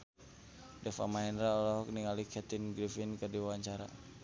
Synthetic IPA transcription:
dɛfa̰maɛnɾaɔlɔɦɔk̚niŋalikʰɛt̪inɡɾifinkərdiwawaɲt͡ʃaɾa̰

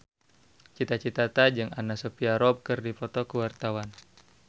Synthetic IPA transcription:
t͡ʃit̪at͡ʃit̪at̪ad͡ʒɨŋanasopiaɾɔb̚kɨrdipɔt̪ɔkəwart̪awan

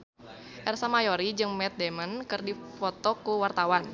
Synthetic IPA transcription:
ʔɛrsamajoɾid͡ʒɨŋmɛt̪̚dɛmənkɨrdifɔt̪ɔkuwart̪awan

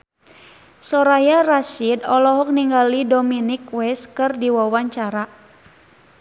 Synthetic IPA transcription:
sɔɾajaraʃidɔlɔɦɔk̚niŋɡalidɔminikwɛskɨrdiwawaɲt͡ʃaɾa

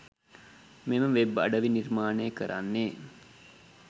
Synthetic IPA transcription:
meməʋeba̰ɖəʋinirmaːnejəkəɾʔa̰nːeː

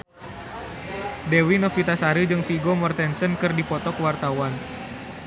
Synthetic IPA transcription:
dewinɔfit̪asaɾɨd͡ʒɨŋfiɡomɔrt̪ɛnsənkɨrdipɔt̪ɔkəwart̪awan

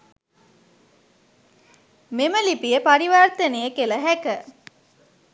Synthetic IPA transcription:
meməlipijəpaɾiʋart̪ənejəkeləɦækə

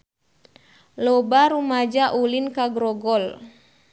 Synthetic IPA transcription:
lɔbaɾumad͡ʒaʔulinkaɡɾɔɡɔl

